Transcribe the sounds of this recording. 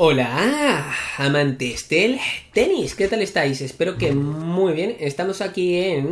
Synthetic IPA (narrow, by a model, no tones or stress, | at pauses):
ola | amãnt̪esd̪elt̪e̞niske̞t̪alest̪ajsespe̞ɾo̞kemujβje̞nest̪amo̞sakien